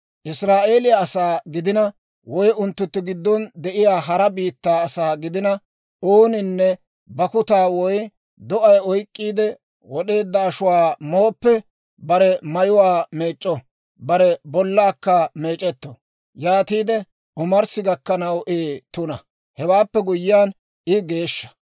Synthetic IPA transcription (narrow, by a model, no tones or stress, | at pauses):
ʔɪsɾaːʔe̞ːlɪjaːsaːɡɪd̪ɪnɐ | wɔjʊnt̪ːʊt̪ːɪɡɪd̪ːɔnd̪ɛʔɪjaːɦɐɾɐbiːt̪ːaːɐsaːɡɪd̪ɪnɐ | oːnɪnːɛ | bɐkʊt̪aːwɔj | d̪ɔʔɐjɔjkʼːiːd̪ɛ | wɔɗe̞ːd̪ːɐːʃʊwaːmo̞ːpːɛ | bɐɾɛmɐjʊwaːme̞ːt͡ʃʼːɔ | bɐɾɛbɔlːaːkːɐme̞ːt͡ʃʼɛt̪ːɔ | jaːt̪iːd̪ɛ | ʔɔmɐɾsɪɡɐkːɐnɐwʔeːt̪ʊnɐ | hɛwaːpːɛɡʊjːɪjaːn | ʔɪɡe̞ːʃːɐ̥